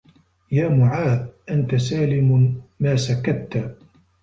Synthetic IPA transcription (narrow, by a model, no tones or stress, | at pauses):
jaːmʊʕaːdʔant̪asaːlɪmmaːsakat̪ːa